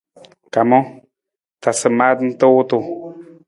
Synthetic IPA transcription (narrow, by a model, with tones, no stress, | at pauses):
ka˨mɔ˦ | ta˨sə˨ma˦t̪n̩˦t̪ə˦wʊ˦t̪u˨